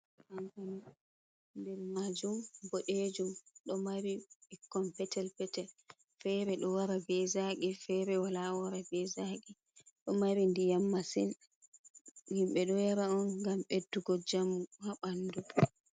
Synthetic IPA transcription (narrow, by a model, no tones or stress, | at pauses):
ʔantan | ndɛɾmad͡ʒumboɗed͡ʒumɗɔmaɾiɛkːɔnpɛtɛlpɛtɛl | fɛɾɛɗɔwaɾaɡɛzaɡifɛɾɛwalawaɾaɡɛzaɡi | ɗɔmaɾindijamːasin | himɓɛɗɔjaɾaɔnŋɡamɓedːuɡɔd͡ʒamuhaɓandu